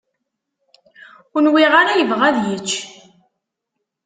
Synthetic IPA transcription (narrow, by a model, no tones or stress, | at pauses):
ʊnwiʁaɾajəvʁæðjət͡ʃː